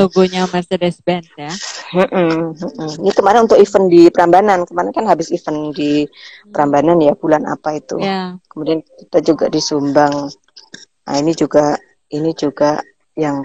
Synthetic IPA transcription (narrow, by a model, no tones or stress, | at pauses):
t̪oɡoɲamɛrsedɛsbɛnt̪jam̩ʔm̩ʔm̩inikəmaɾɪnunt̪ʊkifəndipəɾambanankəmaɾɪnkanɦabɪsifəndipəɾambananjabulana̰pait̪ṵkəmudiankit̪ad͡ʒuɡa̰disumbaŋ | a̰inid͡ʒuɡa | inid͡ʒuɡa | jaŋ